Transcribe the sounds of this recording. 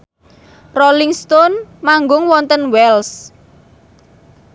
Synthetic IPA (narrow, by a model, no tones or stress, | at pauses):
roliŋst̪ɔnmaŋɡʊŋwɔnt̪ənwɛls